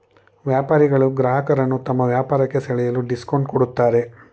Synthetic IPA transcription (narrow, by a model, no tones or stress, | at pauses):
ʋjaːpaːɾiɡɐɭuɡɾaːɦɐkɐɾɐnːut̪ɐmːɐʋjaːpaːɾɐkːe̞sɐɭɛjɐluɖiskoɳɖ̚koɽut̪ːaːɾe̞